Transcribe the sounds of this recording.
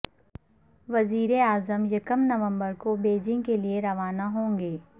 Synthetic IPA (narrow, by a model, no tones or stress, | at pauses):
ʋɐziːɾeaːzəmjɐkəmnɐʋə̃mbəɾkobeːd͡ʒɪ̃ŋɡkelieɾɐʋaːnaɦõːŋɡeː